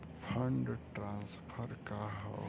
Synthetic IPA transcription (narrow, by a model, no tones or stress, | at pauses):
pʰɐɳɖʈɾãːnspʰəɾkaɦa̰